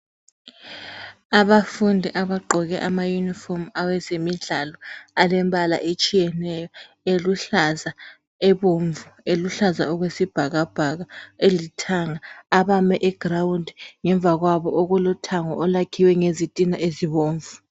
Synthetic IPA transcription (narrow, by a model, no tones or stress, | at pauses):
aβafundʱiʔaβaɡ͡ǃʱɔɣɛʔamajunifɔmawɛzemiɮalɔalɛmbʱala̰ʔet͡ʃʼijɛnɛjɔ | eluɬaza | ɛβoɱvueluɬaza̰ɔɣwesib̥ʱaɣab̥ʱaɣaelitʰaŋaaβamɛʔɛɡ̥rawundʱŋɛɱb̪vʱaɣwaβɔʔoɣulɔtʰaŋɔ̰ʔɔlakʰiwɛŋezitʼinaʔeziβoːɱvu